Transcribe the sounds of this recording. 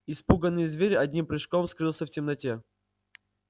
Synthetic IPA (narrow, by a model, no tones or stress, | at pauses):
ɪspuɡənːɨjəzvʲeɾʲɪɐdʲnʲimpɾʲɨʂkomskɾɨlˠsʲəftʲɪmnɐtʲe